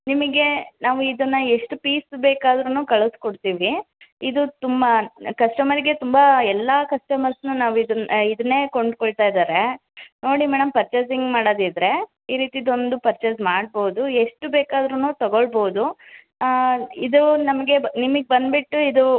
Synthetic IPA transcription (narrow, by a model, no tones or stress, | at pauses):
nimɐɡe̞naːʋuid̪ɐnːɐeʂʈupiːsbeːkaːd̪ɾunuːkɐɭuskoɽt̪iːʋi | id̪ut̪umbɐkɐʂʈɐmɐɾiɡe̞t̪umbɐɛlːɐkɐʂʈɐmɐɾsnunaːʋuid̪ɐnid̪ɐnːe̞ːkoɳɖkoɭt̪aːjid̪aːɾe̞noːɽimɛːɽɐmpɐɾt͡ʃes̬iŋɡmaːɽoːd̪id̪ɾe̞ | iːɾiːt̪id̪o̞nd̪upɐɾt͡ʃɐsmaːɽ̚boːud̪ueʂʈubeːkaːd̪ɾunuːt̪ɐɡoɭboːud̪u | id̪unɐmɐɡe̞nimɐɡebɐnd̪biʈːuid̪u